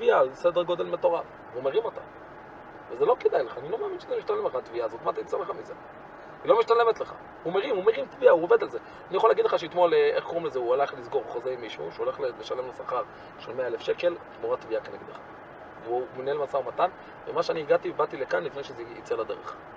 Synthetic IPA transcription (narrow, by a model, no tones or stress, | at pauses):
t̪viased̪eɡo̞d̪e̞lme̞t̪o̞ʁaf | omeʁimot̪a̰ | vezelo̞ked̪ajleχaːnilo̞meaminʃezemiʃt̪anlemleat̪viazot̪mat̪ait͡saleχamize | ilo̞miʃt̪anle̞met̪leχa̰ | humeʁimumeʁimt̪viauoved̪alze | anijaxolaɡidleχaʃeitmo̞leʔeχko̞ʁimlezeualaχlizɡo̞ʁχozeimːiʃṵʃeuole̞χleleʃale̞mlesaχaʁ | ʃelmeaelefʃe̞ke̞l | moʁat̪viakeneɡed̪leχa | veuminelmasaumat̪an | vemaʃeaniiɡat̪ibat̪ilekanlifnejʃezeit͡selad̪e̞ʁḛχ